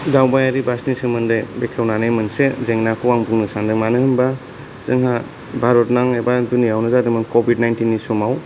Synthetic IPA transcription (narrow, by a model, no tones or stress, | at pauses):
dawbajaɾibasnisɯmɯndɯjbekʰewnanejmɯnsezeŋnakʰɯwaŋbuŋnɯsandɯŋmanɯɦɯnba | z̥ɯŋɦa | bʱaɾɔtnaŋebadunijawnɯzadɯmɯŋkobʱidnajntinːisɔmaw